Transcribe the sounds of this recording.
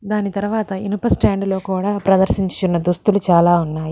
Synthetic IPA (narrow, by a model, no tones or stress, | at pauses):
d̪aːnit̪ɐɾuʋaːt̪ɐinupɐsʈaːɳɖlo̞ːkuːɽaːpɾɐd̪ɐɾsiɲt͡ʃunːɐd̪ust̪ulut͡ʃaːlaːunːaːji